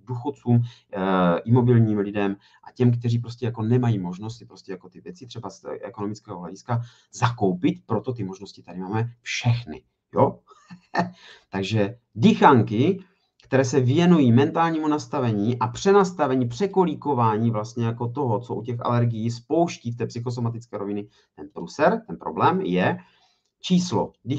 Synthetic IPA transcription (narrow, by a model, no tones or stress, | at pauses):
duxott͡suːm | ʔɪmo̞bɪlɲiːmlɪdɛm | ʔacɛmkt̪ɛriːpɾo̞scɛjako̞nɛmajiːmo̞ʒno̞st̪pɾo̞scʲɛjako̞t̪ɪvjɛt͡sɪt̪r̝̥ɛbasʔɛ̰kono̞mɪt͡skɛːɦoɦla̰ɟɪska | zako̞wpɪt̪pɾo̞t̪o̞t̪ɪmoʒno̞scɪt̪adɪmaːmɛfʃɛxnɪ̰ | jo | t̪aɡʒɛ | dɪxaŋkɪ | kt̪ɛɾɛːsɛvɪjɛnujiːmɛnt̪aːlɲiːmunast̪avɛɲiːʔapr̝̥ɛnast̪avɛɲiːpr̝̥ɛko̞liko̞vaːɲiːvlast̪ɲɛjako̞t̪o̞ɦot͡soʔucɛxʔa̰lɛɾɡɪjispo̞wʃciːft̪ɛːpsɪxo̞s̬o̞mat̪ɪt͡skɛːɾo̞vɪnɪ | t̪ɛnpɾusɛɾt̪ɛnpɾo̞̰blɛːmjɛ | t͡ʃiːslo̰dɪ